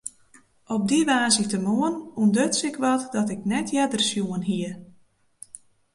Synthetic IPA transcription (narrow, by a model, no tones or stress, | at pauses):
ɔp̚diʋaːzitəmoənundøtsɪkʋɔtdɔtɪknɛtʰjɛdərsjuənɦiə